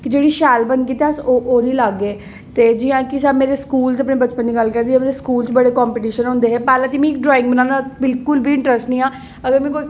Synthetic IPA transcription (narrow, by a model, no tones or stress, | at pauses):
kɪd͡ʒeːɽiːʃɛːlbənkiːt̪ɛsoʔoːnĩːlaɡeː | t̪eːd͡ʒɪːjãːkɪsaːmeːɾeskuːlteəpneːbət͡ʃpənd̪iːɡəlkəɾd̪iːãmeːɾeskuːlt͡ʃbəɽeːkɔːmpiʈiːʃənɦʊ̃ːnd̪eːɦɛːpɛːlãːt̪iːmĩːk̚ɖɾɔːɪ̃ŋɡbənãːnd̪abɪlkʊlbʱiːɪɳʈɾəsʈnĩːãː | əɡəɾmɛ̃ːkoːiː